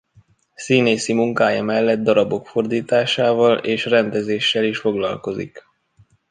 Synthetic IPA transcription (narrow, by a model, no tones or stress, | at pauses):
siːneːsimuŋkaːjɒmɛlːɛd̪̚d̪ɒɾɒbo̞kfo̞rd̪iːt̪aːʃaːvɒleːʃrɛnd̪ɛzeːʃːɛliʃfo̞ɡlɒ̰lko̞zḭk